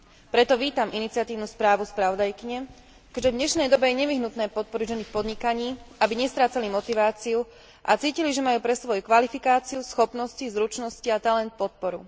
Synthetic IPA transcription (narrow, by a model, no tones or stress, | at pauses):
pɾɛt̪ɔʋiːt̪amʔinit͡sɪat̪iːʊnuːspɾaːʋuspɾaʋɔd̪ajkiɲɛ | kɛd͡ʒʒɛd̪ɲɛʃnɛjd̪ɔbɛjɛɲɛʋiɦnut̪nɛːpɔt̪̚pɔɾiɟʒɛnːixpɔd̪ɲikaɲiːabiɲɛst̪ɾaːt͡salimɔt̪iʋaːt͡siu | ʔa̰t͡siːciliʒɛmajuːpɾɛsʋɔjukʋalifikaːt͡siusxɔpnɔscizɾut͡ʃnɔsciat̪alɛnt̪̚pɔt̪̚pɔɾu